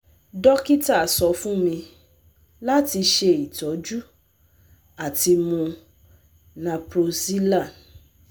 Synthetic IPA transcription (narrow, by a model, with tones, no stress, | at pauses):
dɔ˦ki˦ta˦˨sɔ˧˦fũ˦mĩ˧ | la˦ti˧ʃe˧i˨tɔ˨˦d͡ʒu˦ | a˨ti˧mũ˧ | nã˧pɾo˧si˦la˦˨